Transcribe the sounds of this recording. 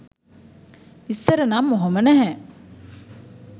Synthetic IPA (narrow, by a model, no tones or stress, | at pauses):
ist̪ɐɾənamːoɦomənæɦɛ